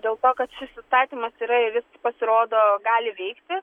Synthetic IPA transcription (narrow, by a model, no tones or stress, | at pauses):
d̪ʲeːlˠt̪oːkɐt̪ʃʲɪsʲɪst̪ɑːt̪ʲiːmɐsiːɾɐɪɾjʲɪspɐsʲɪɾoːd̪oːɡɑːlʲɪʋʲɛɪkt̪ʲɪ